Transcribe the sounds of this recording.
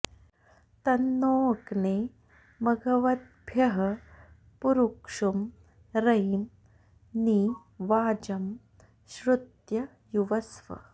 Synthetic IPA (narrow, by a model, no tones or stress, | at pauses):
t̪ɐnːoːɐkneː | mɐɡʱɐʋɐd̪̚bʱjɐɦɐ | puɾukʂum | ɾɐjm | ni | ʋaːd͡ʒɐm | ʃɾud̪jɐ | juʋɐsʋɐ̰